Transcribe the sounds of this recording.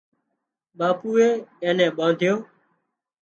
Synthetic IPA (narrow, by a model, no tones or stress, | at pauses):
ɓaːpuːeːẽːnɛ̃ːɓãːnd̪ʱjoː